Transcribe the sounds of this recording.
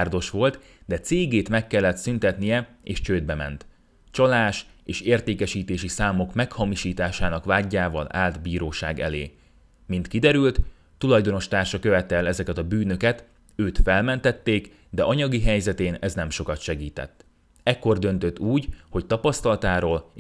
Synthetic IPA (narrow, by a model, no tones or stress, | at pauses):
rd̪o̞ʃʋo̞lt̪ | d̪ɛt̪seːɡeːt̪mɛkːɛlːɛt̪synt̪ɛt̪nijɛ | ḛːʃt͡ʃøːd̪̚bɛmɛ̰nt̪ | t͡ʃɒlaːʃ | eːʃeːrt̪eːkɛʃiːt̪eːʃisaːmo̞kmɛkhɒmiʃiːt̪aːʃaːnɒkʋvaːɟːaːvɒ̰la̰ːld̪biːɾoːʃa̰ːɡɛ̰lḛː | mint̪kid̪ɛɾylt̪ː | ulɒjd̪o̞no̞ʃt̪aːrʃɒkøvɛt̪ɛlɛzɛkɛt̪ɒbyːnø̞kɛt̪ | øːt̪fɛlmɛnt̪ɛt̪ːeːk | d̪ɛʔɒɲɒɡiɦɛjzɛt̪eːnɛznɛmʃo̞kɒt̪ʃɛɡiːt̪ɛ̰t̪ː | ɛkːo̞rd̪ø̞nt̪øt̪ːuːɟho̞ct̪ɒpɒst̪ɒlɒt̪aːɾoːl